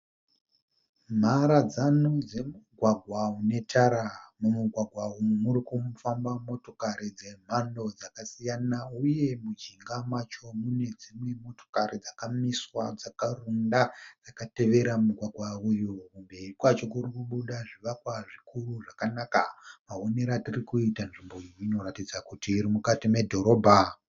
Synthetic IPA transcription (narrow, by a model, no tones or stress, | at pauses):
m̤aɾad͡zanod͡ze̞muɡʱwaɡʱwaune̞tʰaɾamumuɡʱwaɡʱwaujumuɾikumfambamo̞to̞kaɾid͡ze̞m̤ando̞d͡zakasijanauje̞mud͡ʒiŋɡamat͡ʃo̞mune̞d͡zimwe̞mo̞to̞̥kaɾid͡zakamiswad͡zakarundad͡zakate̞ʋe̞ɾamuɡʱwaɡʱwaujuumbe̞rikwat͡ʃokuɾikuɓuɗaʐiʋakwaʐikuruʐakanakamaone̞ɾatirikuitanʐimbo̞iino̞ɾatid͡zakutiːɾimukatime̞dʱo̞ɾo̞ːbʱa